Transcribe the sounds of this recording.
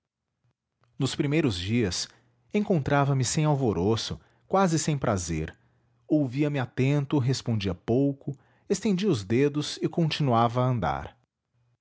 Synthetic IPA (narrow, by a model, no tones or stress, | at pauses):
nʊspɾimejɾʊzd͡ʒiɐs | ẽkõnt̪ɾavɐmɪsẽj̃awvoɾosʊ̰ | kwazɪsẽj̃pɾʔazḛɾ | owviɐmɪat̪ẽnt̪ʊɦespõnd͡ʒiɐpowkʊ | est̪ẽnd͡ʒiʊzd̪ed̪ʊzɪkõnt͡ʃinuavɐːɐ̃nd̪a̰ɾ